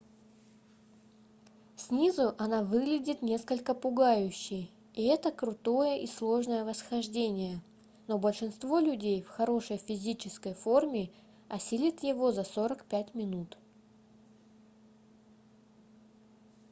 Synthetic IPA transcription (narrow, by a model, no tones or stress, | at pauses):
sʲnʲizʊʔɐnavɨɡlʲɪdʲɪt̪nʲe̞skəlʲkəpʊɡajʉɕːɪj | iɛt̪əkɾʊt̪o̞jəʔislˠo̞ʐnəjəvəsxɐʐdʲenʲɪjə | no̞bəlʲʂɨnst̪vo̞lʲʉdʲejfxɐɾo̞ʂəjfʲɪzʲit͡ɕɪskəjfo̞rmʲɪ | ɐsʲilʲɪt̪jɪvo̞zɐso̞ɾəkpʲætʲmʲɪnut̪